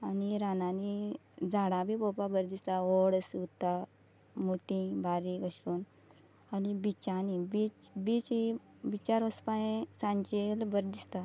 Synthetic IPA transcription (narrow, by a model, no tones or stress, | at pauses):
aniɾananid͡zaɽãbʱibopabəɾd̪ist̪aoɽəsut̪ːa | moʈĩbaɾiɡəɕkuːn | anibit͡ɕanibit͡sbit͡ɕi | bit͡ɕaɾɔspãẽsãɲt͡ɕelbəɾd̪ist̪a